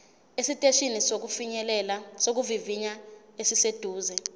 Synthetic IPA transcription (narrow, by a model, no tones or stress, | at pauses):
esitʼeʃinisok̬ufiɲɛlɛlasok̬uviviɲaesised̥ʱuːzɛ